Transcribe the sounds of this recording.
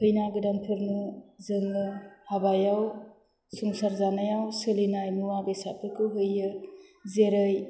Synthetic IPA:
pɯjnaɡɯdanpʰɯɾnɯzɯŋɯhabajaw | suŋsaɾzanajawsɯlinajmuwabesapʰɯkʰɯɦɯjɯzeɾɯj

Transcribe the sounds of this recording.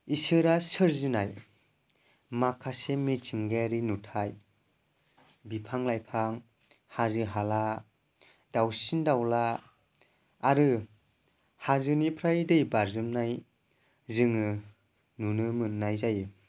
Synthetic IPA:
isɯɾasɯɾzɯnaj | makʰasemit͡ʃiŋɡeɾinutʰaj | bipʰaŋlajpʰaŋ | hazɯɦala | dawsindawla | ɾɯ | hazɯnipʰɾajdejbaɾzɯmnaj | zɯŋɯ | nunɯmɯnnːajzajɯ

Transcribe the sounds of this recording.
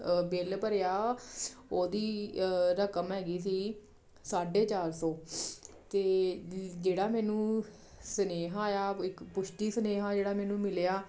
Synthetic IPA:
belpəɾjaː | oːd̪iːɾəkəmɦɛːɡiːs̬iː | saːɖeːt͡ʃaːɾsɔːt̪eːd͡ʒeːɽaːmɛːnũː | səneːɦaːjaːɪkpʊʃʈiːsəneːɦaːd͡ʒeːɽaːmɛ̃ːnũːmɪlːaː

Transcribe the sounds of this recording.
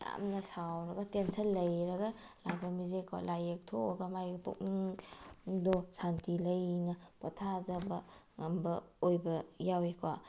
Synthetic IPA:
ja̰mnɐsawɾɐɡɐtensɐnlɐjɾɐɡɐ | lak̚bɐmizekʰwa̰lajek̚tʰoɡɐmajɡɐpo̰k̚niŋ | dɔsantilɐjnɐpɔtʰazɐbɐŋɐmbɐojbɐjawekʰwa

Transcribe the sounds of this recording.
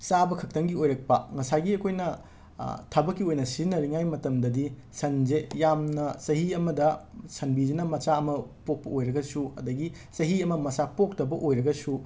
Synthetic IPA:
sabɐkʰɐk̚tɐŋɡiojɾɐk̚pɐŋɐsaɡiɐkʰojnɐ | tʰɐbɐkːiojnɐsiɾnɐɾiŋajmɐtɐmdɐdi | sɐnd͡ʒejamnɐsɐɦiɐmɐdɐsɐnbid͡ʒɐnɐmɐt͡ʃaɐmɐpok̚pɐojɾɐɡɐsuɐ̰dɐɡi | sɐɦiɐmɐmɐsapok̚tɐbɐʔojɾɐɡɐsu

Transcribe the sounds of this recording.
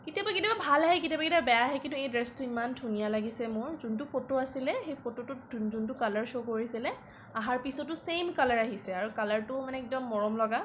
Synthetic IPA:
kitiabakitjababʱalaɦɛkitijabakitibabɛjaɦɛkĩntʊejdɹɛstuimandʱunijalaɡisɛmʊɹzuntʊpʰotoasilɛxejpʰototʊzuntʊkalaɹsokoɹisilɛ | aɦaɹpisɔtːʊsemkalaɹaɦisɛaɹukalaɹtʊmanɛɛk̚dɔmːɔɹɔmlɔɡa

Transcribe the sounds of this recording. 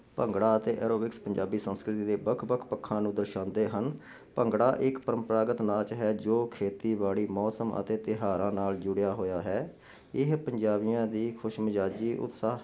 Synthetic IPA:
pəŋɡɽaːət̪eːʔɛ̰ːɾoːbɪkspəɲd͡ʒaːbiːsə̃nskɾɪt̪iːd̪eːbəkʰbəkʰpəkʰːãːnũːd̪əɾʃãːnd̪eːɦən | pəŋɡɽaːʔɪkpəɾəmpɾaːɡət̪naːlt͡ʃɦɛːd͡ʒoːkʰeːt̪iːbaːɽiːmɔːsəmʔə̰t̪eːt̪ɪɦaːɾãːnaːld͡ʒʊɽɪjaːɦoːjaːɦɛː | ɪɦpəɲd͡ʒaːbɪjãːd̪iːkʰʊʃməd͡ʒaːd͡ʒiːʔʊ̰t̪saːɦ

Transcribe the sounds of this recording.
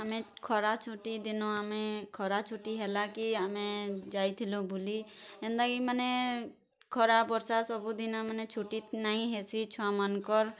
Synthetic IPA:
əmẽkʰɔɾat͡ʃʰuʈid̪inoamekʰɔɾat͡ʃʰuʈiɦɛlakiamẽd͡ʒaːit̪ʰilobʱuliẽnd̪aɡiməne | kʰɔɾabɔɾsasɔbud̪inamənet͡ʃʰuʈit̪naɦĩɦesit͡ʃʰamankɔɾ

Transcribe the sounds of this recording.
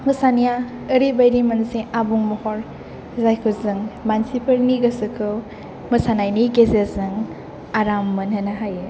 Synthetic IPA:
mɯsanija | əɾibajɾimɐnseabuŋmɔhɔɾ | zajkʰɯzɯŋmansipʰɐɾniɡɯsɯkʰɯw | mɯsanajniɡezezɯŋ | aɾamːɯnɦɯnɐɦaje

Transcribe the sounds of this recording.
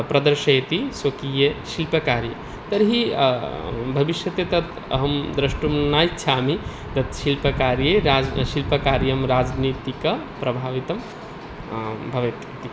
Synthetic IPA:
pɾɐd̪əɾʃəjt̪isokijeʃilpɐkaɾje | t̪əɾɦi | bʱɐbiʃjɐt̪et̪ɐt̪ | ɦəmd̪ɾɐʃʈumnajt̪t͡ʃʰami | d̪ɐt̪ʃilpəkaɾjeɾaʃilpəkaɾjɐmɾad͡ʒnit̪ikɐpɾɐbʱaʋit̪ɐm | bʱɐʋɛt̪it̪i

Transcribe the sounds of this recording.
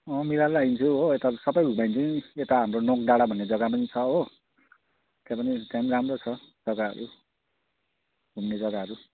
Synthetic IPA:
ʌ̃miɾaaɦint͡sʰuɦoet̪asʌbʌjʱumaint͡sʰʌĩet̪aɦamronokd̪aɽabʱʌnːed͡zʌɡapʌnit͡sʰʌɦo | t̪eapʌnitamɾamrot͡sʰʌd͡zʌɡaʌ̰ɾu | bʱumned͡zʌɡaɦʌɾu

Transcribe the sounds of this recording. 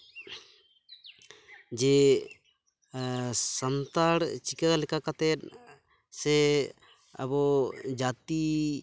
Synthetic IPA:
d͡ʒɛ | sənt̪aɽt͡ʃikalɛkakat̪ɛt̪̚ | sɛ | ə̰bɔd͡ʒat̪i

